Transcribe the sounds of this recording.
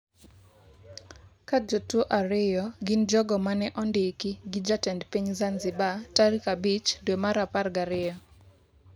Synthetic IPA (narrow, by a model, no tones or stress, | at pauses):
kad͡ʒotwoʔaɾɪjɔɡɪnd͡ʒɔɡɔmanɛʔɔndɪkiɡɪd͡ʒatɛndpiɲzanzɪbataɾikabit͡ʃdwɛmaɾaparɡaɾɪjɔ